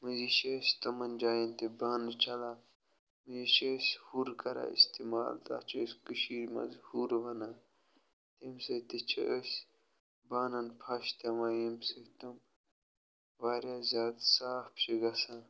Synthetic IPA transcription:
mɨziʃest̪ɐmɐnd͡ʒaːjɐnt̪ibaːnt͡ʃʰɐla | mɨziʃeshuɾkɐɾa̰ḭst̪ima̰ːlt̪a̰ːt͡ʃʰɐskɨʃiːɾmɐ̰zhuːɾʋɐna | t̪emsɐt̪it͡ʃʰɐ̰ʔəs | baːnɐnpʰɐʃt̪ɐmaːjimset̪ɐm | ʋaːɾʲjazʲaːd̪saːfpʃiɡɐsã

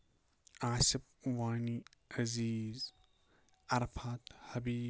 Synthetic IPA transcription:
aːsɪp̚waːniɐziːz | ɐɾfʰat̪hɐbiː

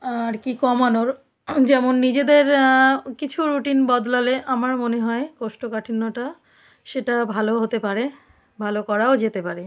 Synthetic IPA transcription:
aɾkikɔmanoɾ | d͡ʑɛmonːid͡ʑed̪eɾkit͡ɕʰuɾuʈinbɔd̪laleʔamaɾmoneɦɔekoʃʈokaʈʰinːoʈa | ʃeʈabʱaloɦot̪epaɾe | bʱalokɔɾaod͡ʑet̪epaɾe

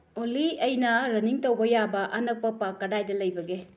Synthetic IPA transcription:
oliɐjnɐɾɐniŋtɐwbɐjabɐʔɐnɐk̚pɐpakːɐdajdɐlɐjbɐɡe

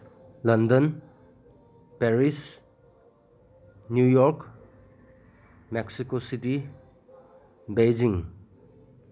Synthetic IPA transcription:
lɐndɔn | peɾis | njujɔɾk | meksikositi | bejd͡ʒiŋ

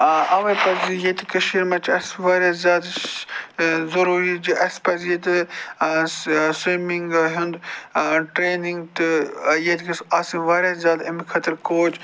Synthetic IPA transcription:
ɐʋɐpɐzjet̪ikɐʃiɾmɐt͡ʃʰɐsʋaːɾjaːzjaːd̪ | zɐɾuːɾit͡ʃiʔɐspɐzjet̪ɨ | simiŋɡɦund̪ʈɾeːniŋɡt̪ɨjet̪kɐsasĩʋaːɾjazjaːd̪ɐmikʰɐt̪ɐɾkoːt͡ʃʰ

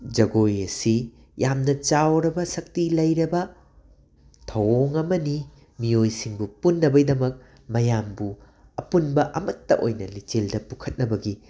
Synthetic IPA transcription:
d͡ʒɐɡojɐsi | jamnɐt͡ʃawɾɐbɐsɐk̚tilɐjɾɐbɐ | tʰɐwoŋɐmɐni | miojsiŋbupunːɐbɐdɐmɐk̚ | mɐjambu | ɐpunbɐʔɐmɐtːɐʔojnɐlit͡ʃeldɐpukʰɐt̚nɐbɐɡi

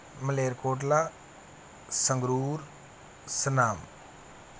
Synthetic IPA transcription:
məleːɾkoːʈ̬la | səŋɡɾuːɾ | sənaːm

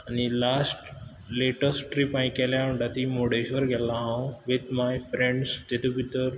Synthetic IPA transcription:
anilasʈ | leʈəsʈʈɾipãĩkeljãɳɖ̪at̪imoɽeʃʋəɾɡɛlãɦãũʋɪd̪majfɾẽɳɖstet̪ubiʈ̪əɾ

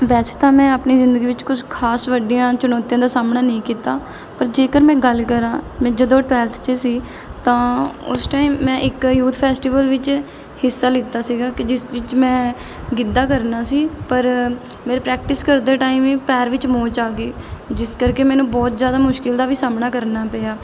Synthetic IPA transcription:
ʋɛːse̥ːt̪ãːmɛ̃ːəpniːzɪ̃nd̪əɡiːʋɪt͡ʃkʊd͡ʒkʰaːsʋəɖijãːt͡ʃʊnɔːt̪ijãːd̪aːsaːmnaːnəĩːkiːt̪aː | pəɾd͡ʒeːkəɾmɛ̃ːɡəlkəɾãːmɛ̃ːd͡ʒəd̪õːʈɛːlt̪ʰt͡ʃesiː | t̪ãːʊ̰sʈaːimːɛ̃ːʔɪkjuːt̪ʰpʰɛːsʈiːʋəlʋɪt͡ʃ | hɪsːaːlɪːt̪aːsiːɡaːkɪd͡ʒɪsʋɪt͡ʃmɛ̃ː | ɡɪd̪aːkəɾnaːsiːpəɾ | meːɾeːpɾɛːk̚ʈɪskəɾd̪eːʈaːiːmĩːpɛːɾʋɪt͡ʃmõːt͡ʃaːɡeːd͡ʒɪskəɾkeːmɛ̃ːnũːbɔːt̪zjaːd̪aːmʊʃkɪld̪aːʋiːsaːmnaːkəɾnaːpɛːjaː

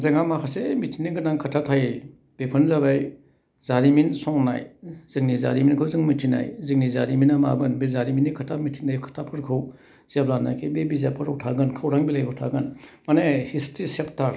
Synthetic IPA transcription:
zeŋamakʰasemitʰiŋnːiɡɯnaŋkʰatʰatʰaje | b̥epʰɯnzaβaj | zaɾiminsɔŋna̰jz̥ɯŋniza̰ɾiminkʰɯwzɯŋmitʰina̰jzɯŋnizaɾiminama̰bɯnbezaɾiminikʰatʰamitʰiŋajkʰḁtʰapʰɯɾkʰɯw | zablanːa̰jkʰebebizapʰɯɾɯwtʰaɡɯnkʰawɾaŋbilajkʰɯwtʰa̰ɡɯnmanehistɾiseptʰaɾ

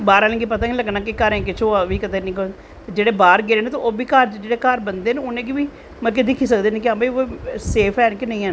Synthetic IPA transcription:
baːɾaːlẽːɡipət̪ãːɡiləɡnaːkɪkəɾɛ̃ːk̬ɪt͡ʃʰõʋiːkət̪eːnə̃ĩːko | t̪ed͡ʒeːɽeːbaːɾɡɪɾeːneːt̪oʔoːbiːkaːɾd͡ʒeːɽeːkaːɾbənd̪eːneʊnẽːɡɪʋiː | mək̬ɪd̪ɪkʰiːs̬əkd̪eːnek̬ɪãbəioseːpʰɛːnkɪnəĩːɛ̃ːn

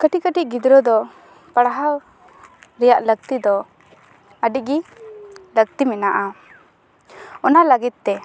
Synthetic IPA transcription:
kəʈikəʈiʔɡid̪ɾɔd̪ɔ | paɽaɦa | ɾɛjaʔlək̚t̪id̪ɔ | əɖiɡi | lək̚t̪imɛnaʔa | ɔnaləɡit̪̚ːɛ

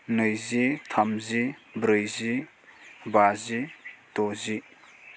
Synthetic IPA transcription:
nɯjzitʰamzibɾɯjzi | bazitɔzi

